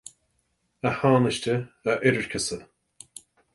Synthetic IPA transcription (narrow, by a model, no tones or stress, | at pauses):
əhaːnəʃtəəʔɪɾəɹkʰəsə